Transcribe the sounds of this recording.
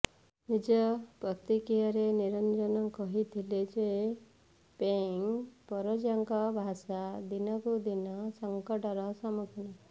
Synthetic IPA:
nid͡ʒɔpɾɔt̪ikijaɾeniɾɔnd͡ʒɔnɔkɔɦit̪ʰiled͡ʒee | peŋpɔɾɔd͡ʒaŋkɔbʱasad̪inɔkud̪inɔsɔŋkɔʈɔɾɔsɔmukʰina

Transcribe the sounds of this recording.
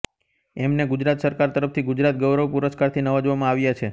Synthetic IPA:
ɛmneɡud͡ʒɾat̪səɾkaɾt̪əɾəft̪ʰiɡʊd͡ʒɾat̪̚ɡəwɾəʋpuɾəskaɾt̪ʰinəʋad͡ʒʋamãaʋjat͡ʃʰe

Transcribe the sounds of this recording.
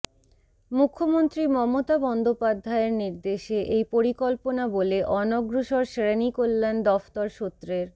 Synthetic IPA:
mukʰːomont̪ɾimɔmot̪abɔnd̪opad̪ʱːaeɾniɾd̪eʃeʔejpoɾikɔlponaboleʔɔnoɡɾuʃoɾʃeɾenikolːend̪ɔft̪ɔɾʃot̪ːɾeɾ

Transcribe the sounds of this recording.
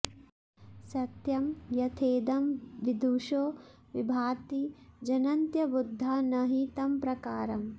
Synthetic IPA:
sɐt̪jɐmjɐt̪ʰeːd̪ɐmʋid̪ʱuːʃoː | ʋibʱaːt̪id͡ʒɐnɐnt̪jɐbud̪ʱːɐnɐɦiːt̪ɐmpɾɐkaːɾɐm

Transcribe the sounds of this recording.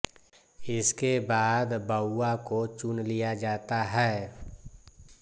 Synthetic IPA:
ɪskebaːd̪bəʊːakot͡ʃʊnlijad͡ʒaːt̪aɦɛː

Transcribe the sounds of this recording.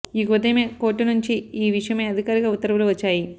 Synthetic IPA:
ikuʋɐd̪ɐjmeːko̞ːʈːinuɲt͡ʃiiːʋiʂɐjɐmeːɐd̪ʱikaːɾiɡaːut̪ːɐɾɐʋɐluʋɐt͡ʃːaːji

